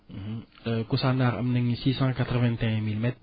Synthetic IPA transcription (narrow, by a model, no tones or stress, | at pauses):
m̩m̩əkusanaɾə̰mnəŋisisaŋakat̪rwɛnt̪ɛŋmilmɛt̪̚